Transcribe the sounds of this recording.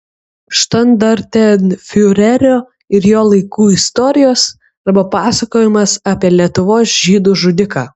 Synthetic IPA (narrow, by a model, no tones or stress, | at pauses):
ʃt̪ɐnd̪ɐɾʲt̪ʲɛnfʲɪʊɾʲɛɾʲoː | ɪɾjoːlˠɐɪkuːɪst̪ɔːɾʲɪjoːs | ɐɾbɐpɑːsɐkoːjɪmɐsɑːpʲiɛlʲiɛt̪ʊʋoːsʒʲiːd̪uːʒʊd̪ʲɪkɑː